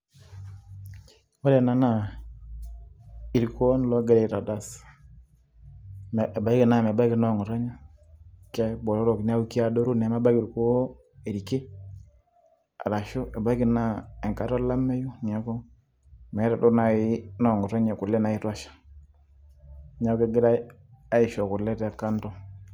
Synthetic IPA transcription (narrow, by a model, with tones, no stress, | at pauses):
wa˦ɾɛ˨na˨na˨ | i˨ɾko˦n˦˨lɔ˦ɡɛ˦ɾɛ˨ɾa˨da˦s | ba˨i˦ke˨na˦˨mɛ˨ba˦kɪ˨nɔ˦˨ŋɔ˨ɾɔ˦ɲa˦ | kɛ˦bɔ˨ɾɔ˦ɾɔ˨kn˦a˦wu˦ki˦a˦˨do˦ɾu˦˨nɛ˨ma˦ba˦ɡi˨ɾko˦ | e˨ɾi˨ke˦ | a̰˨ɾa˨ʃo˦ɛ˨ba˦i˦ki˨na˦ɛ˨ŋka˨˦ɾɔ˦la˦mɛ˦ju˦ɲa˨˦kɔ˦ | m˨˦ɾa˨do˦na˨ɪ˦nɔ˨ŋɔ˨ɾa˦ɲɛ˨ku˨lɛ˦na˨i˦twa˦ʃḁ˨ | ɲa˦kɛ˦ɡɪ˦ɾ | a˦ɪ˨ʃɔ˨kʊ˨lɛ˦ta˨ka˦ntɔ˦